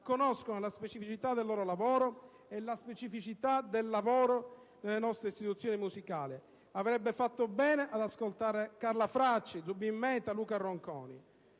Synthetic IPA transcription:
kːonɔskonolaspet͡ʃifit͡ʃit̪ad̪ːelːɔːɾolavɔːɾo | elːaspet͡ʃifit͡ʃit̪ad̪elːavɔːɾo | nelːenɔst̪ɾeist̪it̪ut̪sːjoːnimusikaːli | avɾɛbːefat̪ːobɛːneʔad̪askolt̪aːɾekaɾlafɾat͡ʃːid̪zubːimːɛt̪aluːkarːoŋkɔ̰ːnḭ

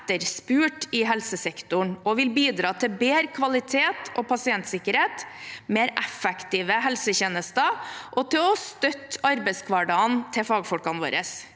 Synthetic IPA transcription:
t̪ːəɾspʉːʈɪɦɛlsəsɛkt̪ʊɳɔʋɪlbiːd̪ɾɑːt̪ʰɪbeːɾkʰʋɑlɪt̪ʰeːt̪ʔɔːpʰɑsɪɛnt̪sɪkəɾheːt̪meːɾɛfɛkt̪iːʋəɦɛlsəçeːnəst̪əʔɔt̪ʰɪlɔst̪œt̪ɑɾbɛɪskʰʋɑɖɑnt̪ʰɪfɑːɡfɔlkɑnʋo̰ːɾəs

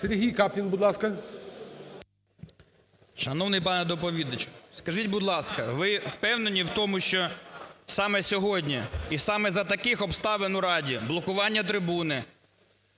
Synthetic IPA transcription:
seɾʲɦʲijkɑplʲinbʊd̪lˠɑskɐ | ʃɐnɔwnɪjpɑnɛd̪ɔpɔʋʲid̪ɐt͡ʃʊ̥skɐʒitʲbʊd̪lˠɑskɐʋɪwpɛwnenʲiwt̪ɔmʊʃt͡ʃɔsɑmɛsʲɔɦɔdʲnʲiisɑmɛzɐt̪ɐkɪxɔpst̪ɑʋenʊɾɑdʲiblˠɔkʊʋɑnʲːɐt̪ɾɪbunɪ

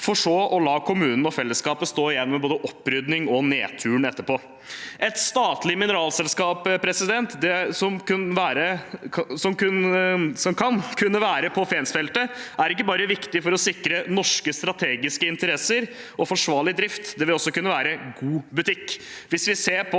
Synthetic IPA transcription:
fɔʂoːʔɔlɑːkʰʊmʉːnn̩ɔfɛlːəskɑːpəst̪oːɪjɛnmɛboːd̪əʔɔpːɾʏd̪nɪŋɔneːt̪ʰʉːəɳɛt̪ːəɾpoː | ʔɛt̪st̪ɑːt̪lɪmɪnəɾɑːlsɛlskɑːppʰɾɛsɪd̪ɛnt̪d̪ɛsɔmkʉnʋæːɾəsɔmkʉnsɔmkʰɑnkʰʉnːəʋæːɾəpʰɔfɛnsfɛlt̪əæɾɪkːəbɑːɾəʋɪkt̪ɪfɔɾɔsɪkɾənɔʂkəst̪ɾɑt̪ʰeːɡɪskəɪnt̪əɾɛsːəɾ | ɔfɔʂʋɑːɭɪd̪ɾɪft̪d̪ɛʋɪlɔsːɔkʉnːəʋæːɾəɡuːbʉt̪ʰɪkːʋɪsʋɪseːɾpʰɔ

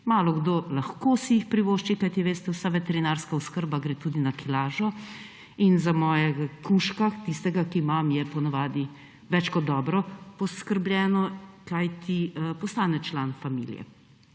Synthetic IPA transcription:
maːlɔɡd̪olaxkoːsijixpɾiʋoːʃt͡ʃikajt̪iʋeːst̪ɛwsaʋɛt̪ɛɾinaːɾskaɔskəɾbaɡɾeːt̪uːd̪inakʰilaːʒɔ | inzamɔːjɛɡakuʃkat̪ist̪ɛɡakimamjɛpɔnaʋaːd̪i | ʋɛt͡ʃkɔd̪ːɔːbɾɔpɔskəɾblʲjɛːnɔkajt̪ʰipɔst̪aːnɛt͡ʃlaːnfamḭːlijɛ̰

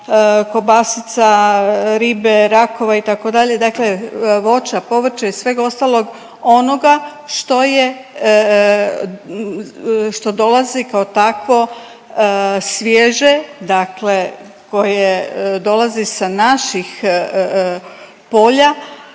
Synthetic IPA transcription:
ko̞basit̪saɾiːbeɾako̞ʋait̪ako̞d̪aʎe̞d̪akle̞ʋo̞t͡ʃapo̞ʋɾ̩t͡ʃaisʋe̞ːɡo̞st̪alˠo̞ɡ | o̞no̞ɡa | ʃt̪o̞je̞ | ʃt̪o̞d̪o̞lazikaot̪akʋo̞ | sʋjeʒed̪akle̞ | ko̞jed̪o̞lazisanaʃix | po̞ːʎa

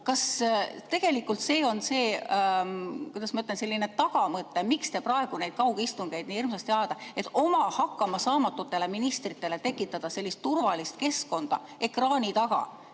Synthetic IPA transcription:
kɑst̪e̞ɡ̥e̞likːˑult̪se̞ːo̞nse̞ː | kujd̪ɑsmɑyt̪ːˑlense̞lːine̞t̪ɑɡ̥ɑmɤt̪ːˑe̞mikst̪e̞prɑe̞ɡ̥unejd̪̥̚kɑwɡ̥ist̪uŋɡ̥ejd̪nʲiːirmsɑst̪jɑd̪̥ɑe̞t̪ːˑo̞mɑhɑkːˑɑmɑsɑːmɑt̪ːˑut̪ːe̞le̞minist̪rit̪ːˑe̞le̞t̪e̞kːˑit̪ːˑɑd̪̥ɑse̞lʲːist̪ːurvɑlist̪̚ke̞sko̞nd̪̥ɑ̰ | e̞krɑːnit̪ɑɡ̥ɑ̰

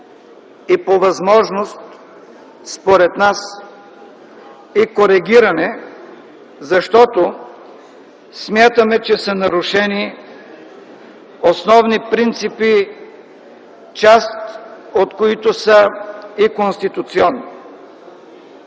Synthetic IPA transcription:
ipovɐzmɔʒnost̪ | spoɾɛt̪nas | ikoɾɛɡʲiɾɐnɛ | zɐʃt̪ɔt̪o | smʲjat̪əmɛt͡ʃɛsənɐɾuʃɛni | osnɔvnipɾint̪sipi | t͡ʃast̪ot̪koit̪osəikonst̪it̪ut̪siɔnːi

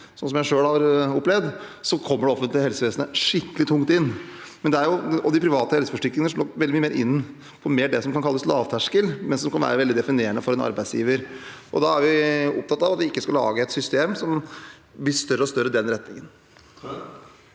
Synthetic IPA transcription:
sɔnsɔmjæɪʂøːɽhɑɾɔpːlɛʋd̪sɔkʰɔmːəɖɛɔfənt̪lɪəhɛlsəʋeːsnəʂɪkːəlɪt̪ʰʊŋt̪ɪnːmɛnd̪ɛæɾjʊɔd̪ɪpʰɾɪʋɑːt̪əhɛlsə̥fɔʂʈɪklɪŋnəʂɔlɔʋɛlɪmyːmeːɾʔɪnː | pʰɔmeːɖɛsɔmkʰɑnkʰɑlːəslɑːʋt̪ʰæʂkəlmɛnsɔmkʰɑnʋæ̰ːɾəʋɛld̪ɪd̪ɛfɪneːəɳəfɔɾɛnɑ̰ɾbæɪsjḭːʋəɾʔɔ̰d̪ɑæɾʋɪʊ̰p̚t̪ʰɑt̪ːɑʋɑt̪ʋɪɪkːəskɑlɑ̰ːɡəɛt̪sʏst̪eːmsɔm | blɪʂt̪œɾːəɔst̪œɾːəd̪ɛnɾɛt̪ːnɪŋən

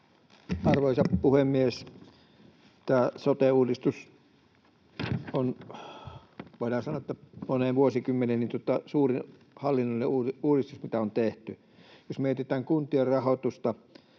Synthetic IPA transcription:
ɑrʋoˑisɑppuhemːies | t̪æːsot̪euːdist̪us | on | ʋoˑilɑhɑsɑnoet̪ːæmoneʋuosikymːenennint̪uŏt̪ːˑɑsuːrin | hɑlːinːolʲːeuuːrist̪usmit̪æont̪eht̪y | josmeˑt̪it̪æːŋkunt̪iorrɑhot̪ust̪ɑ

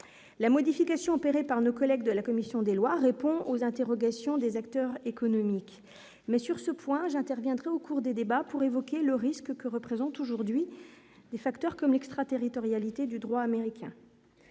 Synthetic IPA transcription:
lamɔd̪ifikasjɔ̃ɔpeʁepaʁnokɔlɛɡd̪əlakɔmisjɔ̃d̪elwaʁepɔ̃ozɛ̃t̪eʁɔɡasjɔ̃d̪ezakt̪œʁekɔnɔmik | mɛsyʁsəpwɛ̃ʒɛ̃t̪ɛʁvjɛ̃d̪ʁɛokʰuʁd̪ed̪ebapuʁevɔkʲeləʁiskkəʁəpχezɑ̃t̪oʒuʁd̪ɥi | d̪efakt̪œʁkɔmlɛkst̪χat̪eʁit̪ɔʁjalit̪ed̪yd̪ʁwaːmeʁikʲʰɛ̰̃

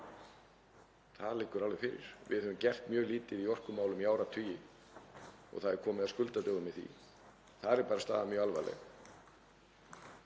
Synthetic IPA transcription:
θaðlɪːkːʏɾalvɛfɪːɾɪ̰ɾ̥vɪ̰ðhœʏmcɛr̥t̪mjœːɣliːt̪ɪðiɔr̥kʏmaːwlʏmijaːwɾat̪ʰʏːjɪ | ɔ̰ɣθaðɛɾ̥kʰɔːmɪðaskʏlt̪at̪œːɣʏmɪðθḭ | θaðɛɾpaːɾast̪a̰ːðamjœːalva̰lɛ̰ɣ

